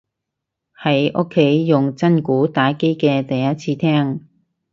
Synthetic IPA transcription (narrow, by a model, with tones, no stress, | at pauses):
hɐ˨˥jʔʊ̰˥kʰːe˨˥jːʊ˨˩ŋt͡sɐ˥nkuː˨˥t̪aː˨˥jke˥jkɛː˧t̪ɐ˨jːɐ˥t̚t͡sʰiː˧t̪ʰɛː˥ŋ